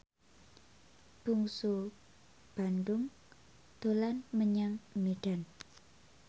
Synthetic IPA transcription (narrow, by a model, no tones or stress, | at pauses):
b̥uŋsu | b̥andʊŋ | d̪̥olanməɲaŋmiɖ̥an